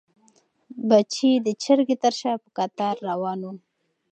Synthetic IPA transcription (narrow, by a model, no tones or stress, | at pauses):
bat͡ʃid̪ət͡ʃəɾɡet̪əɾʃɑpə̥kat̪ɑɾːawɑnu